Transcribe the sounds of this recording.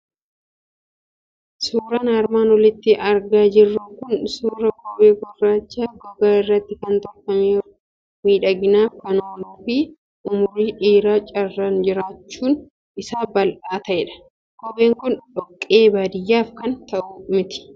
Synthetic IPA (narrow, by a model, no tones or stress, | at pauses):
suːɾɐnɐːɾmaːnwɔlɪt̪ːɪʔɐɾɡaːd͡ʒɪrːuŋkʊnsuːɾɐkɔbeːɡɔrːaːt͡ʃːaːɡɔɡaːɪrːɐt̪ːɪkɐnt̪ɔɾfɐmeː | miːᶑɐɡɪnaːfkɐnoːnuːfi | ʔʊmʊɾiːᶑeːɾaːt͡ʃʼɐrːɐnd͡ʒɪɾaːt͡ʃːuːn | ʔɪsaːbɐlʔaːt̪ɐʔɛᶑɐ̥ | kɔbeːŋkʊnᶑɔkʼːe̞ːbaːd̪ɪjːaːfkɐnt̪ɐʔʊmɪt̪ɪ̥